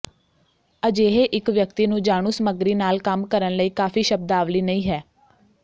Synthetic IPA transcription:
əd͡ʒeːɦeʔɪkʋjək̚t̪iːnũːd͡ʒaːɳ̃ũːsəməɡɾiːnaːlkəmkəɾənləiːkaːfiːʃəb̚d̪aːʋliːnəĩːɦɛː

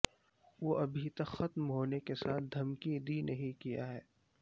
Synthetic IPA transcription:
ʋoʔɐbʱit̪ɐkxɐt̪mɦoːnekesaːt̪̚ʰd̪ʱɐmkid̪iːnɐɦĩkija̰ɦɛː

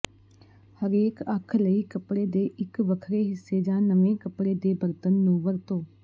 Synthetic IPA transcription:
həɾeːkəkʰləiːkəpɽeːd̪eːʔɪkʋəkʰɾeːɦɪsːeːd͡ʒãːnəʋẽːkəpɽeːd̪eːbəɾt̪ənːũːʋəɾt̪õː

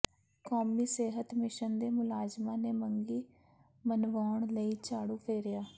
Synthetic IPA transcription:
koːmiːseːɦət̪mɪʃənd̪eːmʊlaːd͡ʒmãːneːməŋɡiː | mənʋaːɳləiːt͡ʃaːɽuːpʰeːɾɪjaː

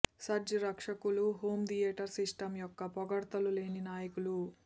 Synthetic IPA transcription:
sɐɾd͡ʒɐɾɐkʂɐkuluɦo̞ːmd̪ijeːʈɐɾsiʂʈɐmjɔkːɐpɔɡɐɽt̪ɐlule̞ːninaːjɐkulu

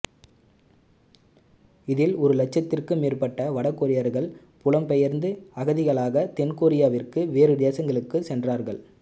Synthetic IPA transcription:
ɪðɪlɔɾɯlɐt͡ʃːɐt̪ːɪrkɯmeːrpɐʈːɐʋɐɽɐkːoɾɪjɐɾɣɐɭ | pʊlɐmpɛjɐɾnd̪ɯɐɣɐðɪɣɐɭaːɣɐt̪ɛnkoːɾɪjaːʋɪrkɯʋeːɾɯd̪eːsɐŋɡɐɭɯkːɯsɛndraːɾɣɐɭ

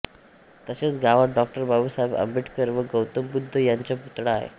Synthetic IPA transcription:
t̪əset͡sɡaʋaɖɔk̚ʈəɾbʱabuːsaɦebə̰mbʱiʈkəɾʋəɡəwt̪əmbud̪ʱːəjaɲt͡ɕjaput̪ɽaːɦḛ

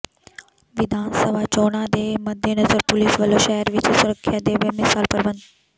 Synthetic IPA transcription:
ʋɪd̪ʱaːnsəʋat͡ɕoːɽ̃ad̪eːmɐd̪ʱjenɐzəɾpʊliːsʋəloʃɛɦəɾʋɪt͡ɕɪsʊɾəkʰjad̪eːʋəmɪsaːlpɐɾʋə̃nd̪

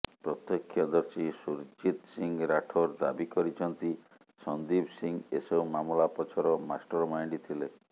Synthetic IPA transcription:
pɾɔt̪ːɔkʰːjɔd̪ɔɾsisuɾd͡ʒit̪siŋɾaʈʰɔɾd̪a̰bikɔɾit͡ʃʰɔnt̪i | sɔnd̪ibsiŋɡesɔwmamɔlapɔt͡ʃʰɔɾɔmasʈɔɾmajɳɖit̪ʰile

